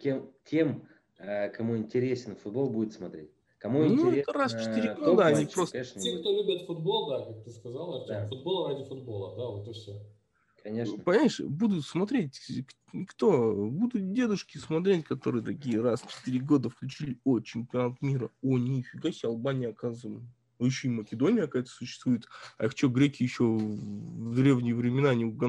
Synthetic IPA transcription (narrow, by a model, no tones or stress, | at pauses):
kʲemkʲʰe̞m | əkɐmuɪnʲtʲɪɾʲesʲɪnfʊd̪̚bo̞lˠbudʲɪt̪smɐt̪ɾʲetʲ | kɐmunʲuɛt̪ərasft͡ʃɪt̪ɨɾʲɪɡod̪əɐnʲipɾosʲeʂsʲekt̪olʲubʲət̪fʊd̪bo̞lˠd̪akak̚t̪ɨskɐzalˠɐfʊd̪̚bo̞lˠəɾadʲɪfʊd̪bo̞lˠəd̪avot̪əfsʲo | kɐnʲeʂpɐnʲmaɪʂbud̪ʊt̪smɐt̪ɾʲetʲk | nʲɪkt̪o̞bud̪ʊt̪̚dʲe̞d̪ʊʂkʲɪsmɐt̪ɾʲetʲkɐt̪o̞ɾɨjəd̪ɾɐɡʲijəɾast͡ɕɪ̥t̪ɨɾʲɪɡo̞d̪əfklʲʉt͡ɕilʲɪot͡ɕɪmʲpʲɐnat̪mʲiɾəonʲifʲɪɡasʲɪɐlˠbanʲɪjɐkazm | noɪɕːoiməkʲɪd̪o̞nʲɪjəɐkajt̪ə̥sʊɕːɪst̪vujɪt̪ɐ̰xt͡ɕoɡɾʲekʲɪjjɪɕːo | vd̪ɾʲe̞vnʲɪjəvɾʲɪmʲɪnanʲɪʊɡɐ